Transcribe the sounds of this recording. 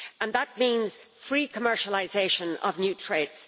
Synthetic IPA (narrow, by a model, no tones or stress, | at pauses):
ə̃nðət̚mĩnz̥fɹiːkʰəmɜ˞ʃəlˠɪzeʃə̃nə̰vnjʉtʰɹ̥eds